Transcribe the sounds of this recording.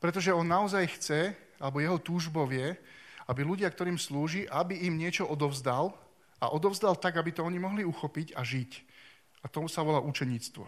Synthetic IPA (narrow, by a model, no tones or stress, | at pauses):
pɾɛt̪̬ɔʒɛɔnːaɔzajxt͡sɛ | alɛbɔjɛɦɔt̪uːʒbɔʋɪɛabiluɟɪakt̪ɔɾiːmsluːʒiʔabiimɲɪɛt͡ʃɔʔɔd̪ɔʊzd̪al | a̰ʔɔd̪ɔʊzd̪alt̪aɡabit̪ɔɔɲimɔɦliuxɔpicaʒic | at̪ɔsaʋɔlaːʔut͡ʃɛɲiːt͡st̪ʋɔ̰